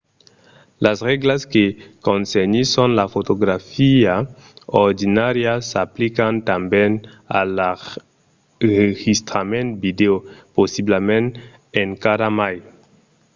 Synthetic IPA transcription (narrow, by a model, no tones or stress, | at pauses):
lasʁeɡlaskekonseɲisonlafotoɡɾafia | oɾdinaɾiasaplikantamben | alːa | eɡistɾamentvideoposiblamen | enkaɾamaj